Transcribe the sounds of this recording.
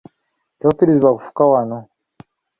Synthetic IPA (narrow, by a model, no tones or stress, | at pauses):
tokiɾiziβakufu̥kawano